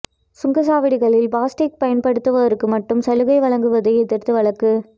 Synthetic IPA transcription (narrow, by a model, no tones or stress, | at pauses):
sʊŋɡɐs̬aːʋɪɽɪɣɐɭɪlbaːsʈɪk̚pɐjɐnpɐɽɯt̪ːɯʋɐðɐɾɯkːɯmɐʈːɯmsɐlɯɣɐɪʋɐɭɐŋɡɯʋɐðɐɪɛt̪ːɪɾt̪ːɯʋɐɭɐkːɯ